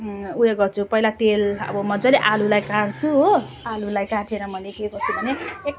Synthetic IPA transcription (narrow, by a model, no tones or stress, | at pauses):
ujeɡʌrt͡sʰupʌilat̪elʌ̰bʌmʌd͡zaleʔalulajkaɽt͡sʰuɦo | alulajkaʈʰeɾʌmʌnekekʌt͡sʰubʱʌneek̚